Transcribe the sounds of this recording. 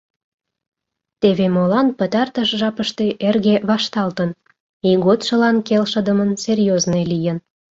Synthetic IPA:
t̪eβemolɑnpət̪ɑrt̪əʃʒɑpəʃt̪eʔerɣeβɑʃt̪ɑlt̪ən | iɣot̪ʃə̆lɑnkelʃə̆d̪əmənserjoznelijən

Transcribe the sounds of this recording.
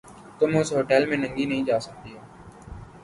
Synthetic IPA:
t̪ʊmʊsɦoːʈɛːlmẽːnə̃ŋɡiːnəɦĩːd͡ʒaːsək̚t̪iːɦoː

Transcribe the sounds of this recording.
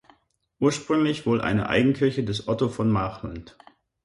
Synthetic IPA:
ʔuːɐʃpʁ̥ʏŋlɪçv̥oːlʔa̰ɪnə̰ʔa̰ɪɡŋ̩kʰɪɐçədɛsʔɔtofɔnmaːχla̰nt

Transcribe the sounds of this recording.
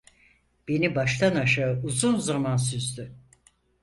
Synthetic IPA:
b̥e̞nibaʃt̪ʰanaʃaɯuzunzamans̬yzd̪y

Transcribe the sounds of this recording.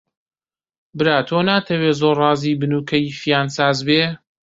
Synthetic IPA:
bɨɾaːt̪ʰoːnaːt̪ʰɐweːzoːɾrɑːziːbɨnuːkʰɐjfijaːnsaːzbeː

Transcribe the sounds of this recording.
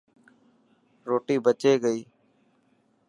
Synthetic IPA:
ɾoːʈiːbət͡ʃeːɡəiː

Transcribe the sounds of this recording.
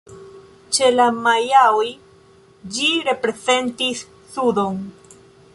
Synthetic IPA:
t͡ʃe̞lamajawj | d͡ʒiɾe̞pɾe̞ze̞ntisː | udo̞n

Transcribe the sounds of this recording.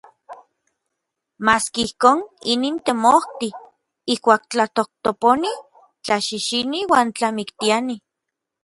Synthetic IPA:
maskeihkoːniniːnt̪emoht̪i | ihkʷaːk̚t͡ɬat̪oh̚t̪oponi | t͡ɬaʃiʃiniwaːnt͡ɬamikt̪iani

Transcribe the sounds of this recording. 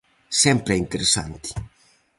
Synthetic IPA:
sɛmpɾeint̪eɾesːa̰nt̪i̥

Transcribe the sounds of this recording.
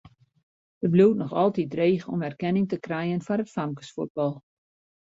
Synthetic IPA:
dəbluːtnɔxɔlˠtitreːxɔ̰mɛrkɛnɪŋtəkrɛjənfɔnətfamkə̥sfut̚bɑlˠ

